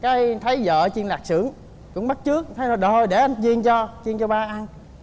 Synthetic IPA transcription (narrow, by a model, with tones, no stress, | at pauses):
kaː˨˦jt̪ʰə˨˦jzə̰ː˧˨t͡ɕi˧ənlaː˨˩k̚sɨ̰˧˩˦əŋ | kʊ̰˧˥ŋ͡mɓa˦˥t̚t͡ɕɨ˦˥ək̚t̪ʰə˨˦jn˨˩ɗo˨˩jɗe˧˩ʔa˧nt͡ɕi˧ənt͡ɕɔ˧t͡ɕi˧ənt͡ɕɔ˧ɓaː˧ʔa˧n